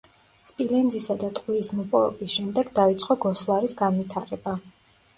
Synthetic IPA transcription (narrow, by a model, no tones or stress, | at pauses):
spʼilɛnd̪zisad̪at̪ʼqʼwiːsmɔpʼɔvɛ̰bisʃɛmd̪ɛɡd̪ait̪sʼqʼɔɡɔslˠaɾisɡanvit̪ʰaɾɛba